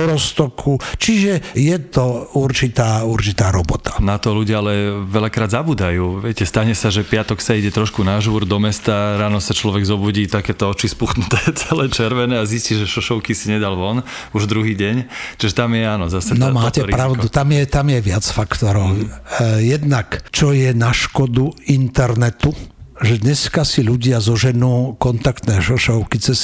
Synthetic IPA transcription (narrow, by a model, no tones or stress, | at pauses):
ɾɔst̪ɔkʰut͡ʃiʒɛjɛt̪ɔuɾt͡ʃit̪aːuɾt͡ʃit̪aːɾɔbɔt̪ḁnat̪ɔluɟɪaalɛʋɛlakɾaːd̪zabuːd̪ajuːʋɪɛcɛst̪aɲɛsaʒɛpɪat̪ɔksaiɟɛt̪ɾɔʃkunaʒuːɾd̪ɔmɛst̪aɾaːnɔsat͡ʃlɔʋɛɡzɔbuɟiːt̪akɛːt̪ɔɔt͡ʃispuxnut̪ɛːt͡sɛlɛːt͡ʃɛɾʋɛnɛːazisciʒɛʃɔʃɔʊkisiɲɛd̪alʋɔn | uʒd̪ɾuɦiːɟɛɲt͡ʃiʒɛt̪amjɛanɔzasɛnɔmaːtɛpɾaʊd̪ut̪amjɛt̪amjɛʋɪat͡sfakt̪ɔɾɔʊjɛd̪nakt͡ʃɔjɛnaʃkɔd̪uint̪ɛɾnɛt̪uʒɛd̪ɲɛskasiʎuɟɪazɔʒɛnuːkɔnt̪akt̪nɛːʃɔʃɔʊkit͡sɛs